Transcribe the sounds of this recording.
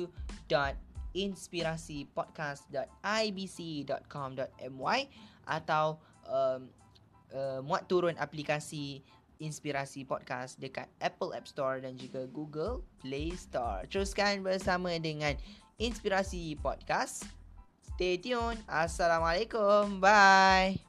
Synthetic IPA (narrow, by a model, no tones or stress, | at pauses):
udɔt̪̚inspiɾasipɔd̚kasdɔt̪̚ajbisidɔt̪̚kʰɔmdɔt̪̚ɛmwajʔa̰t̪aw | ʔəm | əmwat̪ːuɾʊnʔa̰plikasi | inspiɾasipɔd̚kasdəka̰t̪̚ʔɛpəlɛ̰p̚st̪ɔɹdand͡ʒukaɡuɡəlplest̪ɔ̰ɹt̪əɾuskanbərsamãdəŋãn | inspiɾasipɔ̰d̚kas | st̪etiunasalamalekombaj